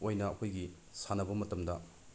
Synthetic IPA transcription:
ojnɐːkʰojɡi | sanɐbɐmɐtɐmdɐ

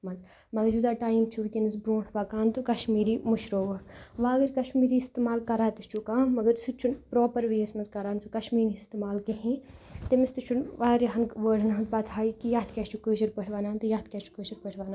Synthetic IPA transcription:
mɐnz | mɐɡɐɾjud̪aːʈaːjimt͡ʃʰuʋikʲinɐzbɾoːʈʰbaːkaːnt̪ukɐʃmiːɾimuʃɾoːʋɐʋaːɡɐɾkɐʃmiːɾiːist̪emaːlkɐɾaːt̪it͡ʃʰukaːnmɐɡɐɾsʰut͡ʃʰunpɾoːpɐɾʋeesmɐnzkɐɾaːnsukɐʃmiːɾist̪emaːlkeɦĩt̪emist̪ut͡ʃʰunʋaːɾiɦɐnʋəːɖɐnɐnt̪̚baːt̪ʰaːikijaːt̪kʲaːt͡ʃʰukəːʃɐɾpəʈʰʲʋaːnaːnt̪ujaːt̪̚kʲat͡ʃʰu̥kəːʃɐɾpəʈʰʋaːnan

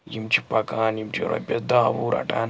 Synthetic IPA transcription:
jimt͡ʃʰi̥pɐkaːnjimt͡ʃʰiɾɐ̰bʲɐsd̪aːbuːɾɐ̰ʈaːn

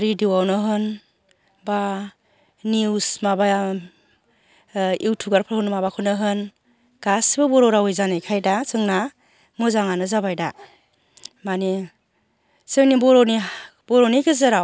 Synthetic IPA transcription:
ɾidiwawnɯɦɯn | ba | niwsmaba | iwtʰuɡaɾpʰaɾhɯnmabakʰɯnɯɦɯn | ɡ̥asbɯbɔɾɔɾawɔjzanɯjkʰajdasɯŋna | mɯzaŋanɯzabajda | mani | sɯŋnibɔɾɔni | b̥ɔɾɔnikʰɯzɯɾaw

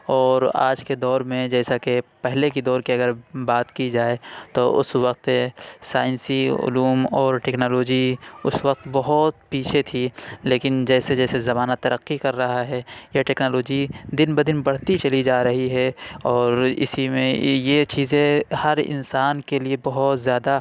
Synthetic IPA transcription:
ɔːɾa̰ːd͡ʒked̪ɔːɾmẽd͡ʒɛːsakepɛɦlekid̪ɔːɾkiɐɡəɾbaːt̪kid͡ʒaːet̪oʔʊ̰swɐqt̪esaːɪnsiʊ̰luːmɔːɾʈɛːknoːloːd͡ʒiʊswɐq̚t̪bɐɦʊt̪piːt͡ʃʰet̪ʰileːkɪnd͡ʒɛːsed͡ʒɛːsezɐmaːnat̪ɐɾəqːikɐɾːɐɦaɦɛjeʈɛːknoːloːd͡ʒid̪ɪnbɐd̪ɪnbɐɽ̤t̪it͡ʃɐlid͡ʒaːɾɐɦiɦɛɔːɾɪ̰simẽjet͡ʃiːzẽhɐɾɪ̰̃nsaːnkeliebɐɦʊt̪zjaːd̪a

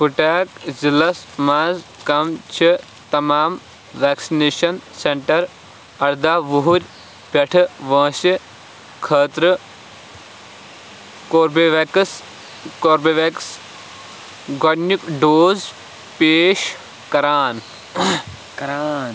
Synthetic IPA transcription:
puʈaːkzilɐsmaːzkɐmt͡ʃʰi | t̪ɐmaːm | ʋaːksineːʃɐnseɳʈɐɾ | ɐɾd̪aːʋuɦuɾʲ | pʲɐʈʰɨʋɐ̃ːsi | kʰəːt̪ɾɨ | koːɾbeʋeks | koːɾbeʋeks | ɡɐɽnikɖoːz | peːʃ | kɐɾaːn | ɐɾan

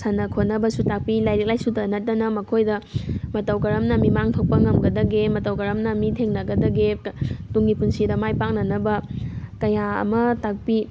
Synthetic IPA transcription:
sɐnɐkʰotnɐbɐsutak̚pilajlek̚lajsutɐnɐt̚dɐnɐmɐkʰojdɐmɐtɐwkɐɾɐmnɐmimaŋtʰɐwk̚pɐŋɐmɡɐdɐɡemɐtɐwkɐɾɐmnɐmitʰeŋnɐɡɐdɐɡetuŋɡipunsidɐmajpak̚nɐnɐbɐkɐjaɐ̰mɐtak̚pi

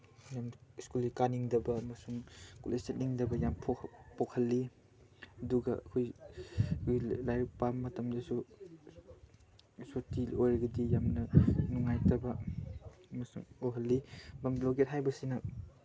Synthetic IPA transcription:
jamiskulikaniŋdɐbɐːmɐsuŋkulʔestet̚niŋdɐbɐjampʰpɔkʰɐlːi | ɐduɡɐɐ̰kʰoj | lajɾik̚pamːɐtɐmdɐsu | sotiojɾɐɡɐdijamnɐnuŋːajtɐbɐ | ɐmɐsuŋuɦɐlːibɐmbloɡet̚ɦajbɐsinɐ

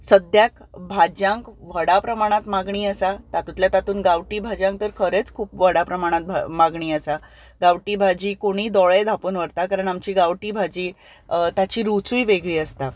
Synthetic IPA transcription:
səd̪jak | bʱad͡ʑãŋkʋəɽapɾəmaɽ̃at̪maɡɳiːəsat̪at̪ut̪ljat̪at̪uːnɡaʋʈiːbʱad͡ʑãŋk̚t̪əɾkʰəɾet͡skʰuːpʋəɽapɾəmaɽ̃at̪̚bʱmaɡɳ̃iːəsa | ɡaʋʈiːbʱad͡ʑiːkoɽ̃iːd̪ɔɭed̪ʱapuːnʋəɾt̪akaɾəɳamt͡ɕiːɡaʋʈiːbʱad͡ʑiː | t̪at͡ɕiːɾut͡sujʋeɡɭiːəst̪a

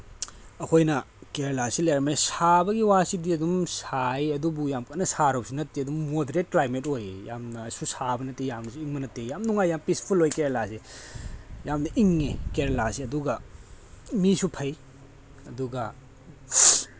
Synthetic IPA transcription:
ɐkʰojnɐ | keɾelasilejɾmejsabɐɡiwasidiɐdumsajɐdubujamkɐnɐsaɾosinɐtːiɐdumːodeɾet̚klajmetojjamnɐsusabɐnɐtːejamnɐsuiŋmɐnɐtejamnuŋajːampispʰulojkeɾelase | jamnɐʔiŋːekeɾelasiɐduɡɐ | misupʰɐj | ɐduɡɐ

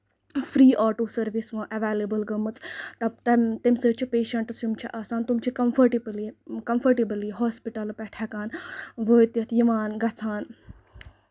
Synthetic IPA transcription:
fɾiːʔaːʈoːsɐɾʋisʋãːʔɐʋeːlebəlɡɐmɨt͡st̪ɐt̪ɐt̪imsət͡ʃʰipeːʃɐɳʈsjumt͡ʃʰiʔaːsãːnt̪umt͡ʃʰikɐmfʰɐɾʈiblikɐmfʰɐɾʈibəliɦɔːspiʈɐlpɛʈʰaːkaːnʋoːjt̪jɐt̪ʰjiʋaːnɡɐt͡sʰaːn

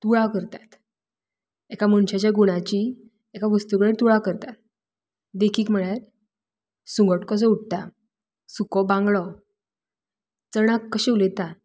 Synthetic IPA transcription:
t̪uɭakəɾt̪at̪ | ekaməɳɕat͡ɕjaɡuɽ̃at͡ɕi | ekaʋəst̪ukəɭet̪uɭakəɾt̪at̪ | d̪ekʰiːkm̤əɭaɾ | sũŋɡʱəʈkɔt͡sɔuʈ̚t̪a | sukɔbãŋɡɭɔ | t͡səɽ̃akːəɕeulet̪a

